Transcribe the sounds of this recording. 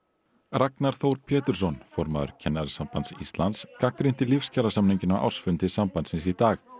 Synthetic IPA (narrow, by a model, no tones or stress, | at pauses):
raknaɾ̥θowɾpʰɛːt̪ʏɾ̥sɔnfɔɾma̰ðʏ̰ɾ̥cʰɛnːaɾɪsampant̪sḭst̪lant̪skakɾɪn̥t̪ɪlifscaɾasamniɲcʏnawʔa̰wr̥sfʏnt̪ɪsampant̪sɪnsit̪aːx